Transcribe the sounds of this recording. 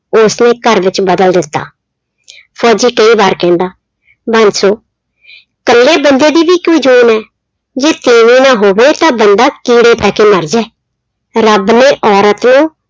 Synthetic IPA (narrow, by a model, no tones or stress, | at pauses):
ʊsnẽːkəɾʋɪt͡ʃbəd̪əld̪ɪt̪ːa̰ː | pʰɔːd͡ʒiːkəiːbaːɾkɛ̃ːnd̪aː | bənsoː | kəlːeːbənd̪eːd̪iːʋiːkoːiːd͡ʒuːnɛː | d͡ʒeːt̪eːʋiːnãːɦoːʋeːt̪ãːbənd̪aːkiːɽeːt̪ɛːkeːməɾd͡ʒɛː | ɾəbneːʔɔːɾət̪nũː